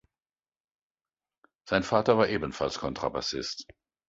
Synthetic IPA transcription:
z̥aɪnfaːtɐvaːɐʔeːbən̩fa̰lskʰɔntʁ̥aba̰sɪ̰st

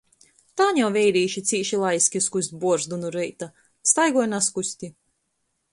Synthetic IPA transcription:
t̪aːɲʲawvʲɛjɾiːʃit̪siːʃilˠajsʲkʲiskusʲt̪̚ʲbuɔɾzd̪unuɾɛjt̪a | st̪ajɡɔɔjnaskusʲt̪ʲi

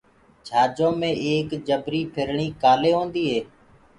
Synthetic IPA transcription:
t͡ʃʰaːd͡ʒõːmẽːʔeːkd͡ʒəbɾiːpʰɪɾɳiːkaːleːɦõːnd̪iːɦeː

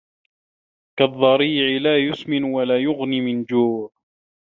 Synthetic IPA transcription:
kaðˤːɑɾiːʕɪlaːjʊsmɪnwalaːjʊɣniːmɪnd͡ʒuːʕ

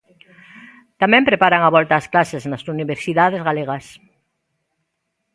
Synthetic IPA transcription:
t̪amẽmpɾepaɾaŋaβɔlt̪aːsklaseznasuniβeɾsiðað̞ezɣaleɣ̞as

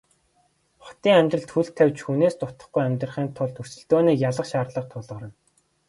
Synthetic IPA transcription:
χɔ̥t̪iːŋæmʲt̪rə̆ɮt̪xuɬt̪ʰːæwt͡ɕxuneːst̪ʊt̪ə̆χɡujæmʲt̪rə̆χiːnt̪ʰʊɮt̪ʰur̥sɘ̆ɮt̪oːniːkjaɮə̆qʃaːrɮə̆q̚t̪ʰʊɮʁə̆ɾə̆n

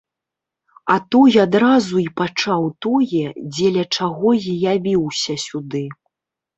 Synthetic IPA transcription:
at̪ɔjad̪ɾazuipat͡ʂawt̪ɔjɛd͡zʲɛlʲɐt͡ʂaɣɔjijavʲiwsʲɐsʲud̪ɨ

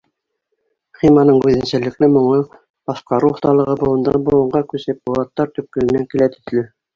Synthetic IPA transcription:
χimɑnɤɴʉðɘ̆nsælɘ̆klɘmŏɴɤ | bɑʃqɑɾuoθt̪ɑlˠɤ̆ʁɤbŏlˠɤ̆nd̪ɑ̰nbŏlˠɤ̆ɴʁɑkʉsɘp̚bŏlˠɑt̪ːɑɾt̪ɵ̆p̚kɘ̆lɘ̆næŋkilæt̪ɵ̥̆θlɘ

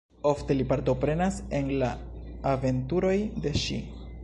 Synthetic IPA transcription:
o̞fte̞lipaɾto̞pɾe̞nase̞nlaːve̞ntuɾo̞jde̞ʃḭ

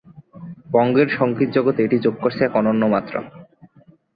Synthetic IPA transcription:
bɔŋɡeɾʃɔŋkit̪̚d͡ʑɔɡot̪eeʈid͡ʑoɡ̚koɾt͡ɕʰeɛkɔnonːomat̪ːɾa̰

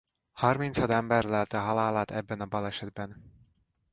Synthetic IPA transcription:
hɒrminshɒd̪ɛmbɛrlɛlt̪ɛɦɒlaːlaːt̪ɛbːɛnɒbɒlɛʃɛd̪bɛn

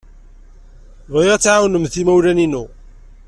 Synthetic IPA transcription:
vʁiʁæt͡sːʕawnəmθimæwlæninu

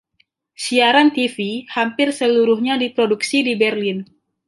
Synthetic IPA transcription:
siaɾant̪ifihampɪrsəluɾuhɲadipɾoduksidibɛrlɪn

